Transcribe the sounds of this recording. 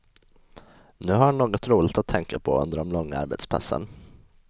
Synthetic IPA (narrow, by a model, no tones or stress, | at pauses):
nʉ̟ːɦaɾanoːɡɔt̪ɾuːlɪɡt̪at̪ʰːɛŋkapʰɔ̰ɵ̰nd̪əɖɔmlɔŋːaa̰ɾbɛ̰t̪spʰa̰sːə̰n